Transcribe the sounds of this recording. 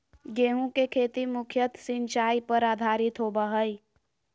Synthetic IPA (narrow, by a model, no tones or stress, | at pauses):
ɡeːɦũkekʰeːt̪imʊkʰjət̪sɪ̃nt͡ʃaːipəɾaːd̪ʱaːɾɪt̪ɦoːbaɦəi